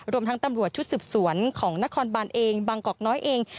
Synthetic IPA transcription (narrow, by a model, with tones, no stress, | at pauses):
ɾu˧əmt̪ʰa˦˥ŋt̪a˧mɾu˨˩ət̪̚t͡ɕʰu˦˥t̪̚sɯː˨˩p̚su˨˩˦ənkʰɔː˩˦ŋna˦˥kʰɔː˧nbaː˧nʔeː˧ŋbaː˧ŋkɔː˨˩k̚nɔː˦˥jʔeː˧ŋ